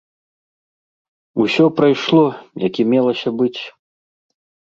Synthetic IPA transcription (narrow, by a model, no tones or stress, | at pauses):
usʲɔpɾajʂlˠɔjɐkʲimʲɛlˠɐsʲɐbɨt͡sʲ